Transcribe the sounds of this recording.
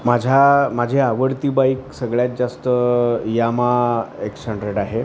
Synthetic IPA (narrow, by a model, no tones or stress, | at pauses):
mad͡ʑʱamad͡ʑʱeaʋəɽt̪iːbaiksəɡɭjat̪̚d͡zast̪əjamaekɕəɳɖɾeʈaɦe